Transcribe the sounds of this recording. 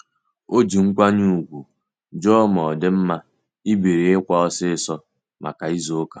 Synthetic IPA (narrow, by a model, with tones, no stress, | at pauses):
o˦d͡ʒi˨ŋ̩˦kʷa˦ɲu˦u˨ɡʷu˨ | d͡ʒɔ˦mɔ˨dɪ˦m̩˦ma˦ | i˦be˨ɾe˨ɪ˦kʷa˦ɔ˦sɪ˦˨sɔ˦ | ma̰˨ka˨i˦zo˦kḁ˨